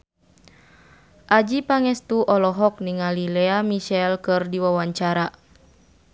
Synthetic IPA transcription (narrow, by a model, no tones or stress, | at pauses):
ʔad͡ʒipaŋɛst̪uʔɔlɔɦɔk̚niŋalilɛamiʃɛlkɨrdiwawaɲt͡ʃaɾa